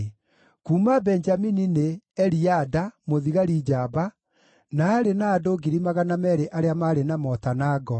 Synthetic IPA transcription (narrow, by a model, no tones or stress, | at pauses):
kuːmabɛnd͡ʒaminineɛɾiadamoðiɣaɾid͡ʒaːba | naːɾenaːdoɡiɾimaɣanamɛɾeʔaɾeamaɾenamɔtanaɡɔ